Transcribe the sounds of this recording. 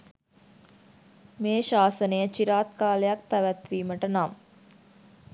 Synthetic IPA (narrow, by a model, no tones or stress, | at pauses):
meːʃaːsənəjət͡ʃiɾaːt̪kaːlejak̚pæʋæt̪ʋiːməʈənam